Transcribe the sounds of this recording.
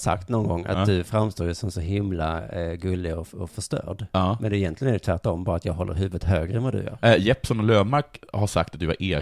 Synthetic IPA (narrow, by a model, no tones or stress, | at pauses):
sa̰kt̪nɔnɡɔŋːa̰t̪d̪ɵfɾamst̪oːjʉsɔmsɔɦɪmlaɡɵlːɪɔɔfœʂtœ̰ːɖmɛnd̪ɛɪjɛnt̪lɪɡənæd̪ɛt̪ʰvæʈːɔmbɑːɾat̪jɑːɡɦɔlːə̰ɾɦʉ̟ːvət̪ɦøːɡɾəɛnvad̪ɵ̰jœ̰ːɾjɛpsɔnɔløːvmaɾkhaʂa̰kt̪at̪̚d̪ɵva̰ɾʔeː